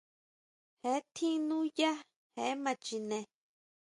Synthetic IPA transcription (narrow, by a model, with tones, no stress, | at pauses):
he˨˦t̪ʰĩ˦nũ˦ja˦ | he˨˦mã˧t͡ʃi˧nẽ˧